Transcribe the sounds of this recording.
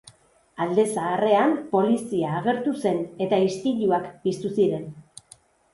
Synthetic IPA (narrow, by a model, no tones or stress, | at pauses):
ald̪e̞saːre̞ampo̞lisiaːɣ̞e̞ɾt̪use̞ne̞t̪aist̪iʎuakpist̪usiɾe̞n